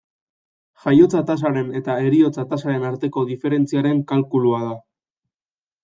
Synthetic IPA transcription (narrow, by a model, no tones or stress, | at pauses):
ʝajo̞t͡sat̪as̬aɾe̞ne̞t̪ae̞ɾio̞t͡sat̪asaɾe̞naɾt̪e̞ko̞ðife̞ɾe̞nt͡siaɾe̞ŋkalkuluað̞a